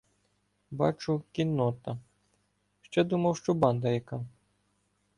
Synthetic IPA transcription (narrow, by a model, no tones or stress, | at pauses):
bɑ̰t͡ʃʊkʲinːɔt̪ɐ | ʃt͡ʃɛd̪umɐwʃt͡ʃɔbɑnd̪ɐjɐkɑ